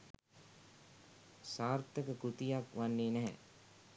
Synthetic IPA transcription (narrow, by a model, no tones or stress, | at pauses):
saːɾt̪əkəkut̪ijakʋanːeːnɛɦɛ̰